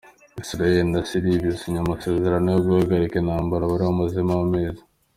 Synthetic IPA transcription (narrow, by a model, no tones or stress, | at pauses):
isɾaelindasiɾibjisiɲamase̞ːze̞ɾanojobɡuhaɡaɾikenhaːmbaɾaβaɾiβomuzimawameːza